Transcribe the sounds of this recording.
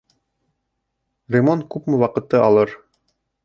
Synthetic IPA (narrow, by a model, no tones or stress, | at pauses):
rʲemonkʉpmɘwɑqɤ̆t̪ːɤɑlˠɤɾ